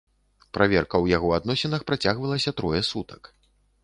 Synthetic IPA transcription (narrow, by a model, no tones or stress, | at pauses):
pɾavʲɛrkɐwjaɣɔad̪nɔsʲɛnɐxpɾat͡sʲaɣvɐlˠɐsʲɐt̪ɾɔjɛsut̪ɐ̥k